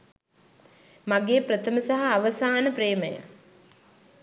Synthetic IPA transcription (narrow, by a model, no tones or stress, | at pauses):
maɡeːpɾət̪ʰəməsaɦaːʋəsaːnəpreːməja̰